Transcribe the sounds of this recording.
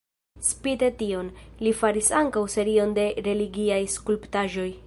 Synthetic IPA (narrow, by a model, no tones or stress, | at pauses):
spitetio̞nlifaɾisaŋkawse̞ɾio̞nde̞ɾe̞liɡiajskulptaʒo̞j